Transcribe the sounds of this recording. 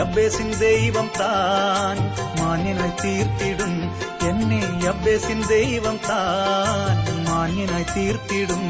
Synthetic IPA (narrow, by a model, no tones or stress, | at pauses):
jɐbːeːsind̪eːjiʋɐnt̪aːn | maːnjɐnɐjt̪iːɾt̪iːɽum | enːejɐbːeːsind̪eːjiʋɐnt̪aːnmaːnjɐnajt̪iːɾt̪iːɽum